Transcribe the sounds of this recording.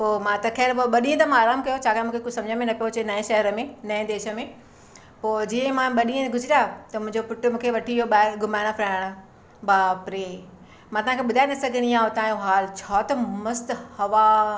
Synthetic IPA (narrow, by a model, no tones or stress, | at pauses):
poːmãt̪ɐkʰɛːɾboɓɐɗĩə̃t̪ɐmãaːɾaːmkɐjot͡ɕʰaːkamũːkʰekosɐ̃md͡ʑʱə̃mẽnɐpijot͡ɕenɐẽʃɐɦəɾəmẽnɐẽd̪eːʃə̆mẽ | poːd͡ʑiːə̃mãɓɐɗĩə̃ɡʱʊd͡ʑʱɪɾjat̪ɐmʊ̃ɦɪ̃ɲd͡ʑopʊʈʊmũːkʰeʋɐʈʰiɦoɓaːɡʱʊmaːɪɽ̃əpʰɾaːɽ̃ə | baːpɾe | mãt̪ɐʋ̤ɦãkʰeɓʊd̪ʱaːenɐsɐɡʱɪɽ̃iãːɦot̪ãːjõɦaːlt͡ɕʰaːt̪ɐmɐst̪hɐʋa